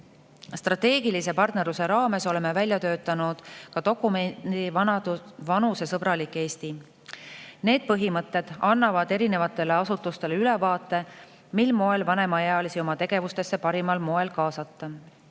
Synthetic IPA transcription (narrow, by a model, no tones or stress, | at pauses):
st̪rɑt̪e̞ːɡilise̞pɑrt̪ne̞ɾuse̞ɾɑːme̞so̞le̞mːevælʲjɑt̪øːt̪ːˑɑnud̪̥kɑt̪o̞kːˑume̥ivɑnɑvɑnuse̞sɤbɾɑlikːˑe̞ːst̪i | ne̞ːd̪̥̚pɤɦimɤt̪ːˑe̞d̪̥ɑnːɑvɑd̪e̞ɾine̞vɑt̪ːˑe̞leɑsut̪ːˑust̪e̞leyle̞vɑːt̪ˑːe̞ | milmo̞e̞lvɑne̞mɑeɑlisio̞mɑt̪e̞ɡ̥e̞vust̪e̞sːe̞pɑɾimɑlmo̞e̞lkɑːsɑt̪ːɑ